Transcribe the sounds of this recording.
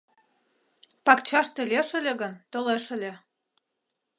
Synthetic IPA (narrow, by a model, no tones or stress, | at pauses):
pɑkt͡ɕɑʃt̪elʲeʃə̆lʲĕɣə̆nt̪oleʃə̆lʲĕ